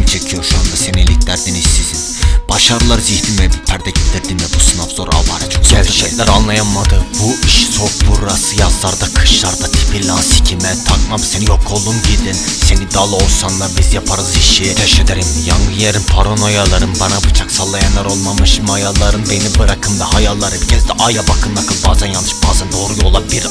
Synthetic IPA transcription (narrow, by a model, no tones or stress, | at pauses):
mit͡ʃʰekʲʰijoɾʃuɑnd̪asenelʲikʰʲlæɾd̪inist̪isinb̥ɑʃɑɾɯlˠɑɾzihd̪imɛbit̪ʰæɾd̪ɛɡʲʰilʲd̪iɾd̪imɛbusɯnafz̥oɾa̰vɑɾd͡ʒoɛlt͡ʃɛklɛɾanlˠɑjanmɑd̪ɯbuiʃsok̚buɾasɯjɑzlˠɑɾd̪ɑkʰɯ̥ʃlˠɑɾd̪ɑt̪ʰi̥pʰilʲːansi̥kʲʰimɛt̪ʰɑkmɑmsɛnijokʰːolˠd̪umɡid̪ɪnsenid̪alˠosanlˠaɾbizjapʰaɾɯziʃiʃɛd̪eɾimjaŋɡɯnjeɾimpʰaɾonojalˠaɾɯnbanabɯt͡ʃʰaksalˠːajanlˠaɾo̞lˠmamɯʃimajalˠːaɾɯnbe̞nibɯɾakʰɯnd̪ahajalˠːaɾɯbicʲʰɛzd̪ɛʔajabakʰɯnd̪akʰɯlˠbaːzanjalnːɯʃb̥aːzand̪o̞ːɾujo̞lˠabiɾ